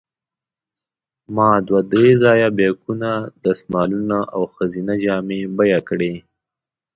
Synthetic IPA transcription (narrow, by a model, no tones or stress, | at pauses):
mɑd̪wad̪ɾezɑjabekunad̪əsmɑlunaʔawxazinad͡ʒɑmebajakɽe